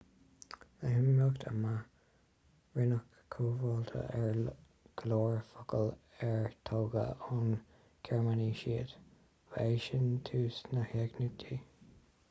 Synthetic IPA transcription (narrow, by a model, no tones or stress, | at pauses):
əɦɪmːokt̪ʰəma | ɹɪnəkʰːuːvɔlt̪ʰə̰ɛɹ | ɡ̥lɔːɹfʊkəlɛɹt̪ʰoːɡə̰ʊn | kʰɛɹmaniʃiːət̪ | veːʃənt̪ʰuːsnəhɛɡnutʰi